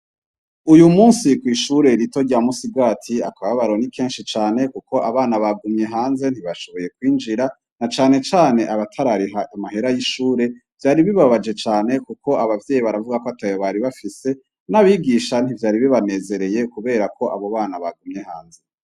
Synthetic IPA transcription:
ujumuːnsikwiːʃuɾe̞ɾito̞ɾɟamusiɡɡaːtʰiakaβaβaɾo̞nikʰe̞ːnʃit͡ʃaːne̞kuko̞ʔaβaːnaβaɡumɲe̞ɦaːnze̞n̥hiβaʃo̞βo̞je̞kwiːnd͡ʒiɾa | nat͡ʃaːne̞t͡ʃaːne̞ʔaβatʰaɾaɾiɦaamaɦe̞ɾajiʃuːɾe̞ | v̥jaːɾiβiβaβad͡ʒe̞t͡ʃaːne̞kuko̞aβavje̞ːjiβaɾavuɡakoatajoβaɾiβafise̞ | naβiɡiʃan̥ivjaːɾiβiβane̞ːze̞ɾe̞je̞kuβe̞ːɾakʰo̞ʔaβo̞βaːnaβaɡumɲehaːnze̞

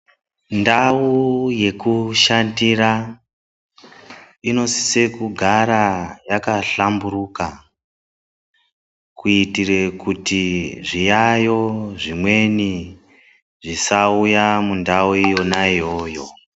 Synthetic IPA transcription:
ndauje̞kuʃandira | ino̞si̥se̞kuɡʱaɾajakaɬamburuka | kuitire̞kutiʐijajo̞ʐimwe̞ni | ʐisaujamundauijo̞najoːjo̞

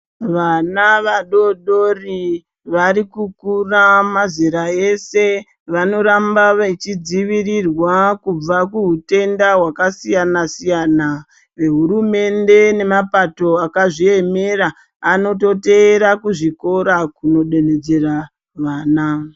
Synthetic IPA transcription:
ʋanaʋaɗo̞ɗo̞ri | ʋaɾikukuramaziɾae̞se̞ | ʋano̞ɾambaet͡ʃid͡ziʋirirwakub͡vakuɦute̞ndaɦwakasijanasijana | ʋe̞ɦuɾume̞nde̞ne̞mapato̞akaʐie̞me̞raː | no̞to̞te̞ːɾakuʐiko̞ɾakuno̞ɗe̞ned͡ze̞ra | ʋaːna

